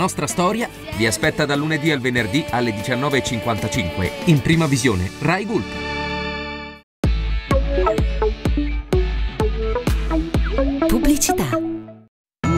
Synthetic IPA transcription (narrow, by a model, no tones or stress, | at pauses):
nɔst̪ɾast̪ɔːɾja | viaspɛt̪ːad̪alːuned̪ialvenerd̪ialːed̪it͡ʃanːɔːveːt͡ʃːiŋkwant̪at͡ʃiŋkwḛimpɾiːmavizjoːnerajɡul | publit͡ʃit̪a